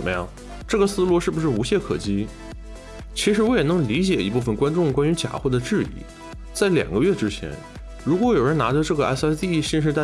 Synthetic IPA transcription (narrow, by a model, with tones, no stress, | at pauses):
ə˨˩mə˦jɑ̰˥˩ŋ | ʈ͡ʂɤ˥˩ɡə˩sɹ̩˥˧lɔ˥˧ʂɻ̩˥˩bu˩ʂɻ̩˥˩u˧˥ɕjɛ˥˩kʰɤ̰˨˩t͡ɕi˥ | t͡ɕʰi˧˥ʂɻ̩˧˥wɔ˧˥jɛ˨˩nɤ˧˥ŋli˧˥t͡ɕjɛ˨˩i˧˥pu˥˩fə˨˩nkwa˥nʈ͡ʂʊ˥˩ŋkwa˥ny˧˥t͡ɕja̰˨˩xwɔ˥˩d̪ə˩ʈ͡ʂɻ̩˥˧ḭ˧˩˦ | t͡sa˥˩ɪljɑ̰˨˩ŋɡə˦ɥɛ˥˩ʈ͡ʂɻ̩˥t͡ɕʰjɛ̰˧˥n | ɻu˧˥kwɔ˧˥jo˨˩ʊɻə˧˥na˧˥ʈ͡ʂə˧ʈ͡ʂɤ˥˩ɡə˩ʔa̰˥ɪsa˥t̪i˥˧˥ɕi˥˧ʂ̬ɻ̩˧t̪a˥˧˩